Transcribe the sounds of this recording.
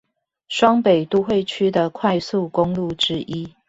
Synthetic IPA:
ʂwɑ˦ŋpe˨˩ɪt̪u˥˧xwe˥˩ɪt͡ɕʰy˥d̪ə˨kʰwa˥˧ɪsu˥˨kʊ˦ŋlu˥˨ʈ͡ʂɻ̩˦ʔi˦˥

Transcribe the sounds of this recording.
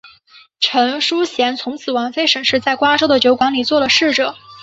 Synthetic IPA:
ʈ͡ʂʰɤ˧˥ŋʂu˥ɕjɛ˧˥nt͡sʰʊ˧˥ŋt͡sʰɹ̩˨˩wa˧˥nfe˥ɪʂə˧˥ŋʂɻ̩˥˧t͡sa˥˩ɪkwa˥ʈ͡ʂo˥ʊd̪ə˨t͡ɕjo˧˥ʊkwɑ˧˥ŋli˨˩t͡swɔ˥˩lə˩ʂɻ̩˥˩ʈ͡ʂɤ˨˩˦

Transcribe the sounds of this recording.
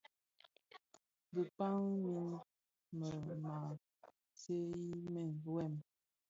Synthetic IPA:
bə˨pa˦ŋmi˦n | mə˨ma˨ | se˦i˦mɛ˨n˨bɛ˦˨m

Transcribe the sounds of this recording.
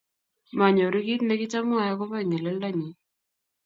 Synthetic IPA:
ma˨ɲɔ˨ɾi˦ki˦t̪nɛ˦kɪ˦t͡ʃa˦mʊ˦a˨ja˦kɔ˦pa˦i˨ŋɛ˨lɛ˦lda˦ɲi˨

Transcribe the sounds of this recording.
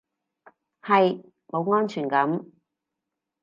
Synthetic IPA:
hɐ˨j | mo˨˧wŋɔː˥nt͡ʃʰyː˨˩nkɐ˨˥m

